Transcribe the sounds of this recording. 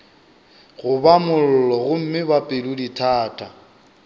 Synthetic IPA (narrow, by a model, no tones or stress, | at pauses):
ɣʊbamʊl̩lɔɣʊm̩mɪbapʼɪlʊditʰaːtʼa